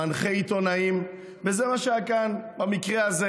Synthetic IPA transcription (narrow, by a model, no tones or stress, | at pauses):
anχeit̪onaim | vezemaʃeakanbamikʁeaze